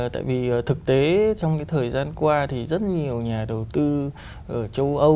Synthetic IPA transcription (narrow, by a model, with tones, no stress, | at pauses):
t̪a̰ː˧˨jvi˨˩˨t̪ʰɨ˨˩k̚t̪e˨˦t͡ɕɔ˧wŋ͡mkaː˨˦jt̪ʰəː˨˩jzaː˧nkwaː˧t̪ʰi˨˩zə˦˥t̚ɲi˨˩əwɲaː˨˩ɗə˨˩wt̪ɨ˧ | ʔəː˧˩t͡ɕə˧wʔə˧